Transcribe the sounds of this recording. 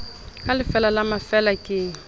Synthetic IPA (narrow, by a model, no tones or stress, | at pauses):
kʼalɪfɛlalamafɛlakʼɪːŋ̩